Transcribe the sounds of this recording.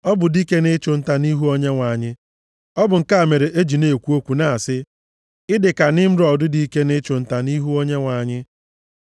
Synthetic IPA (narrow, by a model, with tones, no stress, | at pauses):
ɔ˦bʊ˨di˦ke˦ne˦t͡ʃʊ˨n̩˦ta˨ni˦ɦu˦o˦ɲe˦ŋʷa˨ɲɪ˦ | ɔ˦bʊ˨ŋ̩˨ka˦a˨me˨ɾe˨ʔe˦d͡ʒi˨ne˨kʷu˦o˦kʷu˨na˨sɪ˦ | ɪ˦dɪ˨ka˨nɪ˦m̩˦ɾɔ˨dʊ˦di˦i˦ke˦ne˦t͡ʃʊ˨n̩˦ta˨ni˦ɦu˦o˦ɲe˦ŋʷa˨ɲɪ˦